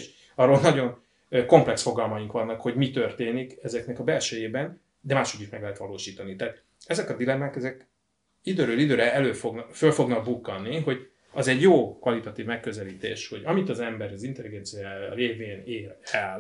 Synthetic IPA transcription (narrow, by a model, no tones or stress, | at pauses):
ʃ | ɒrːolnɒɟo̞n | ko̞mplɛksfo̞ɡɒlmɒjiŋkʋɒnːɒkho̞ɟmit̪ørt̪eːnikɛzɛknɛkɒbɛlʃɛjeːbɛn | d̪ɛmaːʃo̞ɟːiʃmɛɡlɛɦɛt̪ʋɒloːʃiːt̪ɒnit̪ɛɦaːt̪ | ɛzɛkɒd̪ilɛmːaːkɛzɛk | id̪øːɾøːlid̪øːɾɛɛløːfo̞ɡnfølfo̞ɡnɒɡ̚bukːɒnːiɦo̞ɟ | ɒzɛɟjoːkʋɒlit̪ɒt̪iːvmɛkːø̞zɛliːt̪ḛːʃho̞ɟɒmit̪ɒzɛmbɛɾɒzint̪ɛliɡɛnt̪sijaːɾeːveːneːlɛl